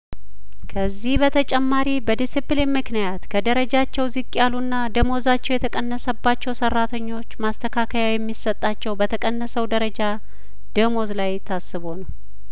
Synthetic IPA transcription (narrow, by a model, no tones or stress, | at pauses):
kʰəzːihbət̪ʰət͡ʃʼɛmːaɾibəd̪isiplenmɨknijat̪kʰəd̪əɾəd͡ʒat͡ʃːɛwzɨkʼːjalunːad̪əmo̞zat͡ʃːɛwjɛt̪ʰəkʼənːəsəbːat͡ʃːɛwsərːat̪ʰəɲːo̞t͡ʃːmast̪ʰəkʰakʰəjawjɛmːisət̪ʼːat͡ʃːɛwbət̪ʰəkʼənːəsəwd̪əɾəd͡ʒa | d̪̥əmo̞zlajt̪ʰasːɨβo̞nəw